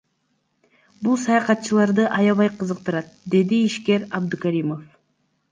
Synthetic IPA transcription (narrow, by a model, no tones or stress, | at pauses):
bulˠsɑjɑqɑt̪̚t͡ʃɯlˠɑɾd̪ɯʔɑjɑβɑjqʰɯzɯq̚t̪ɯɾɑt̪̚d̪e̞d̪iːʃke̞ɾɑb̚d̪ukaɾimo̞f